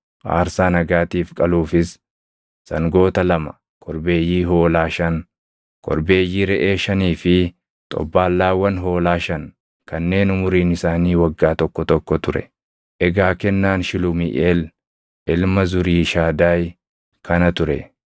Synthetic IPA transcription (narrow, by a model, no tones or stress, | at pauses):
ʔa̰ːɾsaːnɐɡaːt̪iːfkʼɐluːfɪs | sɐŋɡo̞ːt̪ɐlɐmɐ | kʰɔɾbe̞ːjːiːɦo̞ːlaːʃɐn | kɔ̰ɾbe̞ːjːiːɾɛʔe̞ːʃɐniːfɪ | t̪ʼɔ̰bːaːlːaːwɐnɦo̞ːlaːʃɐn | kɐnːe̞ːnʊmʊɾiːnɪsaːniːwɐɡːaːt̪ɔkːɔt̪ɔkːɔt̪ʊɾɛ̰ | ʔɛɡaːkɛnːaːnʃɪlʊmɪ̰ʔeːl | ʔɪlmɐzʊɾiːʃaːd̪aːj | kʰɐnɐt̪ʊɾɛ